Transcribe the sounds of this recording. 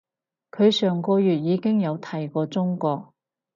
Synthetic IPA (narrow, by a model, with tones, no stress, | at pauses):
kʰɵ˨˧ɥsœː˨ŋkɔː˧jyː˨t̚jiː˨˧kɪ˥ŋjɐ˨˧wt̪ʰɐ˨˩jkɔː˧t͡sʊ˥ŋkɔː˧k̚